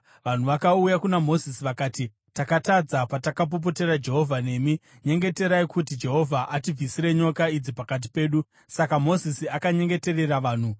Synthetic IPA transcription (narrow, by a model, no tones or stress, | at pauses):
ʋan̤uʋakaujakunamo̞zisiʋakaːti | takatad͡zapatakap̬op̬o̞te̞ɾad͡ʒe̞ɦo̞vʱane̞mi | ɲe̞ŋɡe̞te̞ɾaikutid͡ʒe̞ɦo̞vʱaʔatib͡visiɾe̞ɲo̞kaid͡zipakat̬i̥pe̞ːɗu | sakamo̞zisiakaɲe̞ŋɡe̞te̞re̞raʋaːn̤u